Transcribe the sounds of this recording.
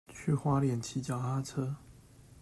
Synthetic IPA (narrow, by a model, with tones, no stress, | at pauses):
t͡ɕʰy˥˧xwa˥ljɛ˨˩˦nt͡ɕʰi˨˥t͡ɕja˨˩a˥t͡sʰɤ˥